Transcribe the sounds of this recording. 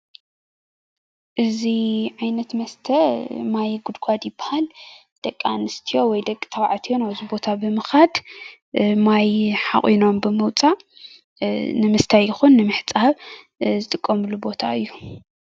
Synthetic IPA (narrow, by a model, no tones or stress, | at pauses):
ʔɨziʕajnɐt̪mɐst̪ʰɐmajɡud̪ɡʷad̪jɪbːḁhal | d̪̥ɐkʼːa̰nɨst̪ʰijo̞wɔjd̪ɐkʼːit̪ʰɐβaʕat̪ʰijonawɨzibo̞t̪ʰabɨmɨxad̪ | majħa̰χʼino̞mbɨmɨwt͡sʼa | nɨmɨst̪ʰajːɪxunːɨmɨħt͡sʼahaβ | zɨt̪ʼɨkʼːɐmɨlubo̞t̪ʰa̰ɨjːu